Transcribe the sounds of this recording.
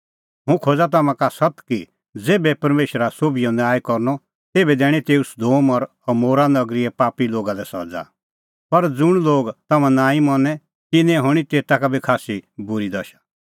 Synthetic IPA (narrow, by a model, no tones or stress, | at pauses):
ɦũkʰoːd͡zat̪̬ɐmãkasɐt̪ki | d͡zeːbɛpɐɾmeːʃɾasoːbijɔ̃naːjkɔɾnɔ | t̪eːbɛd̪ɛːɽ̃it̪eːusd̪oːmɔɾ | ɔmoːɾanɐɡɾiɛpaːpiloːɡad̪ɛsɐ̰d͡za̰ | pɐɾd͡zʊɽ̃loːɡt̪ɐmãnãːĩmɔnɛ̃ | t̪ɪnɛ̃ɦʊɽ̃it̪eːt̪akabʱikʰaːsibʊɾid̪ɐʃḁ